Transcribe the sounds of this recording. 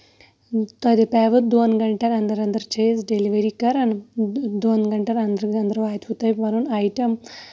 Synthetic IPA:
t̪ɔd̪epɛːʋət̪̚d̪oːnɡɐɳʈɐɾɐnd̪ɐɾɐnd̪ɐɾt͡ʃʰeːsɖeliʋeɾikɐɾɐnd̪oːnɡɐɳʈɐɾɐnd̪ɾɐnd̪ɾʋaːjt̪ɦut̪ɐjʲmɐɾunajʈɐm

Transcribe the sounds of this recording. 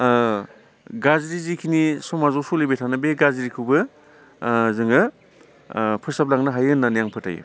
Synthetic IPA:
ɡazɾizikʰinisɔmazɔsolibetʰanɯbeɡaziɾikʰɯwbɯ | zɯŋɯ | pʰɯsap̚laŋnaɦajɯnːanijaŋpʰɯtʰa̰j̰

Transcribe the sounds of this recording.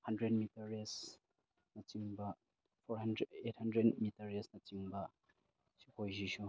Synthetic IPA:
hɐndɾed̚mitɐɾes | nɐt͡ʃiŋbɐ | pʰoɾɦandeet̚hɐndɾedmitɐɾesnɐt͡ʃiŋbɐ | sikʰojziʃu

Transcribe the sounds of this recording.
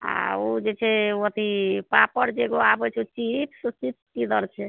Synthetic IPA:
a̰od͡ʒet͡ʃʰɛət̪ipapəɾd͡ʒeɡoabɛt͡ʃʰɛut͡ʃipʰst͡ʃitskid̪əɾt͡ʃʰɛ

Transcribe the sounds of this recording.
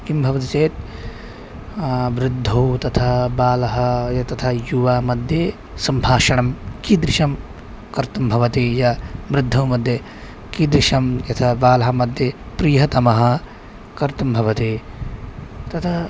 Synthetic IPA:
kimbʱɐʋɐt̪̬it͡ʃeːt̪̚ | ʋɾɪd̪ʱːɐwt̪ɐt̪ʰabaːlɐɦɐjɐt̪ɐt̪ʰajuʋaːmɐd̪ʱjɐ | sɐmbʱaːʃɐɳɐmkid̪ɾiʃɐm | kɐɾt̪ɐmbʱɐʋɐt̪ijɐʋɾɪd̪ʱːɐwmɐd̪ʱjɐ | kid̪ɾiʃɐmjɐt̪ʰɐbaːlɐɦɐmɐd̪ʱjɐ | pɾiːjɦɐt̪ɐmɐɦɐ̆ | kɐɾt̪ɐmbʱɐʋɐt̪e | t̪ɐt̪ʰɐ

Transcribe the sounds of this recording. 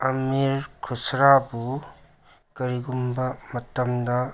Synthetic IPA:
ɐmiɾkʰusɾabu | kɐɾiɡumbɐmɐtɐmdɐ

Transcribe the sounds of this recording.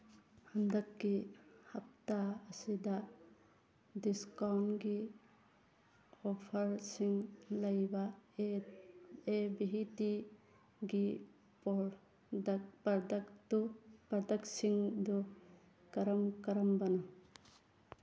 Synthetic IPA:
hɐnd̪ɐkːihɐp̚t̪aəsid̪a | d̪iskawnɡi | ɔpʰɐɾsiŋlɐjba | ebiɦit̪i | ɡi | pɐɾd̪ɐkt̪upɐɾd̪ɐksiŋd̪u | kɐɾɐmkɐɾɐmbɐnɔ

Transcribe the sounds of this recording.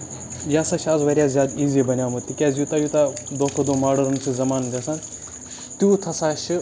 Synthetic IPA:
jaːsɐʃaːzʋɐɾʲjaːzʲjaːd̪iːzibɐnʲjaːmɐt̪ːikʲɛːzjut̪ɐjut̪ad̪oːkʰɐd̪oːmaːɽɐɾɐnt͡ʃʰɨzɐmaːnd͡ʒɐsan | t̪juːt̪ʰɐsaːʃi

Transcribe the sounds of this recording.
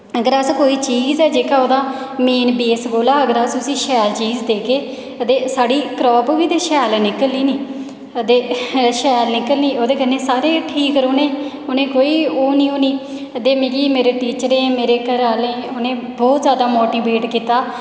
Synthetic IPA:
əɡəɾəskoːiːt͡ʃiːzɛːd͡ʒeːkaːoːd̪aː | meːnbeːsboːlaːəɡəɾasʊsĩːʃɛːlt͡ʃiːzd̪eːkeː | t̪eːsaːɽiːkɾɔːpʋiːd̪eːʃɛːlnɪkəliːniː | t̪eːʃɛːlnɪkəlnĩːoːd̪eːkənẽːsaːɾeːʈʰiːkəɾoːnẽː | ʊnẽːkoːiːoːnĩːoːniː | d̪eːmẽːɡiːmeːɾeːʈiːt͡ʃəɾẽːmeːɾeːkəɾaːlẽːoːnẽːbɔːt̪zjaːd̪aːmoːʈiːbeːʈkiːt̪aː

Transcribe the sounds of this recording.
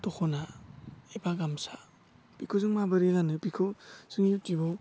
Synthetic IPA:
tɔkʰɔnaebaɡamsa | pikʰozɯŋmabɯɾiɡanɯpikʰoz̥ɯŋjutibɔ

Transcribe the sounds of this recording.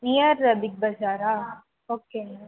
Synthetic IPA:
nijɐɾɐd̪ʱik̚bɐd͡ʒaːɾa | oːke

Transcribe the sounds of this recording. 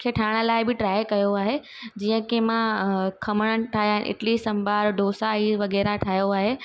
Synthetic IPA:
kʰeːʈʰaːɽ̃̆laːɪbɪʈɾaːjkɐjoaːɦe | d͡ʑiːə̃kemãkʰɐməɽ̃əɽʈʰaːɦjaːɦɪnʔɪ̰ʈlisɐmbʱaːɾɖoːsaiʋɐɣɛːɾaʈʰaːjoaːɦeː

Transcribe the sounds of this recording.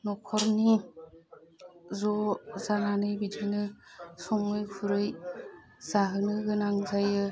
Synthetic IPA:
nɔkʰɔɾni | zɔzananɯjbidɯnɯsɔŋɯjkʰuɾɯj | z̥aɦɯnɯɡɯnaŋzajɯ

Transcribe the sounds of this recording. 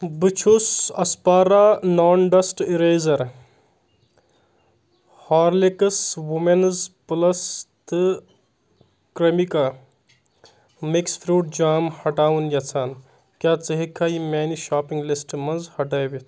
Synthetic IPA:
bɨt͡ʃʰusɐspaːɾaːnaːnɖɐsʈiɾeːzɐɾ | haːɾlekɐswumenzpɨlɐst̪ɨ | kɾemika | miksfʰɾuːʈ̚d͡ʒaːmhɐʈaːwunjɐt͡sʰaːn | kjaːt͡sɐɦikʰaːjimeːniʃaːpiŋɡlisʈmɐnzhɐʈɐjʋit̪ʰ

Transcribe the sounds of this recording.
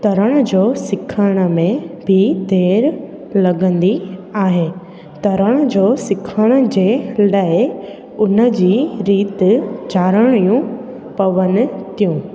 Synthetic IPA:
t̪ɐɾəɽ̃əd͡ʑoːsɪkʰəɽ̃ə̆mẽbʱɪd̪ʱeːɾ | lɐɡə̃nd̪iaːɦeː | t̪ɐɾəɽ̃əd͡ʑoːsɪkʰəɽ̃ə̆d͡ʑeːlaːɪ | ʊnə̆d͡ʑiːɾiːt̪d͡ʑaːɾəɽ̃ijũ | pɐʋən̆t̪ijũː

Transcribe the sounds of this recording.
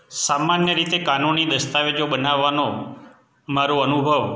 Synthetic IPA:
samanjəɾit̪ekanunid̪əst̪aʋed͡ʒobənaʋːano | maɾoənubʱəʋ

